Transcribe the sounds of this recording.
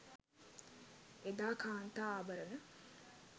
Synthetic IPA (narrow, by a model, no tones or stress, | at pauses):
ed̪aːkaːnt̪aːbəɾənə